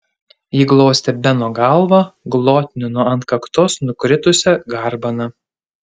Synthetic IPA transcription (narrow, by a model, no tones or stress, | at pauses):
iːɡlˠɔːsʲt̪ʲɛbʲɛnoːɡɐˑlˠʋɐɡlˠoːt̪ʲnʲɪnoɐnt̪kɐkt̪oːsnʊkɾʲɪt̪ʊsʲɛɡɐɾbɐnɐ